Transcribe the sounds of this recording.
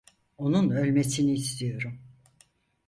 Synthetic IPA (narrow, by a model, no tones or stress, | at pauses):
o̞nunølʲmesiniːst̪ʰijo̞ɾum